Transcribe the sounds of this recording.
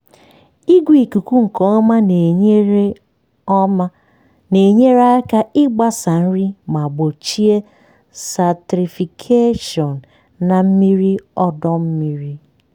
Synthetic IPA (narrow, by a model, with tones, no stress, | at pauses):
i˦ɡʷi˨ku˨ku˦ŋ̩˨kɔ˦ɔ˦ma˦ne˨ɲe˦ɾ | ne˨ɲe˦ɾa˦ɪ˦ka˦ɪ˦ɡ͡ba˦sa˨n̩˦ɾi˦ma˨ɡ͡bo˨t͡ʃi˦e˦ | sa˨tɾi˨fi˨kʰe˦ʃɔ˨n̩ː˨ | a˨m̩˦mi˦ɾi˦ɔ˦dɔ˦m̩˦mi˦ɾi˦